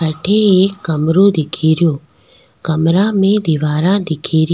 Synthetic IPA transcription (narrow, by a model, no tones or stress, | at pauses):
əʈʰeeːkːəmɾõd̪ɪkʰiːɾjoː | kəmɾãːmẽd̪ɪʋaːɾãd̪ɪkʰiːɾ